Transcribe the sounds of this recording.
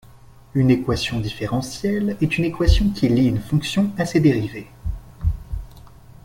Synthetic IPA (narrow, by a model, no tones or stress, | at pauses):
ynekwasjɔ̃d̪ifeʁɑ̃sjɛlɛt̪ynekwasjɔ̃kʲiliynfɔ̃ksjɔ̃ased̪eʁive